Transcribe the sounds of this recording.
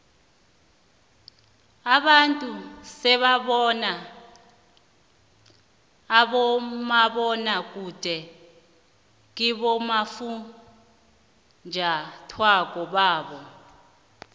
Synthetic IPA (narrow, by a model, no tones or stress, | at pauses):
aɓantʼusɛɓaɓɔna | ɓɔmaɓɔnak̬ʼud̥ʱɛ | k̬iɓɔmafu | nd͡ʒʱatʰwak̬ʼɔɓaːɓɔ